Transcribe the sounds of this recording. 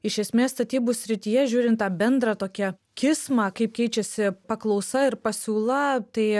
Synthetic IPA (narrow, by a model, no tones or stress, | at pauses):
ɪʃʲɛsʲmʲeːsst̪ɐt̪ʲiːbuːsʲɾʲɪt̪ʲijɛʒʲuːɾʲɪnt̪t̪ɑːbʲɛnd̪ɾɑːt̪oːkʲɛ | kʲɪsmɑːkɐɪp̚kʲɛɪt͡ʃʲɛsʲɪpɐklˠɐʊsɐɪrpɐsʲuːlˠɐt̪ɐɪ